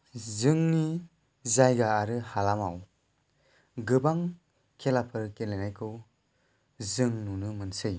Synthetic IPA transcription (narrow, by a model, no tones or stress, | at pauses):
zɯŋni | zajɡaːɾɯhalamaw | ɡɯbaŋ | kʰelapʰɯɾkenlenajkʰɯw | zɯŋnunɯmɯnsɯj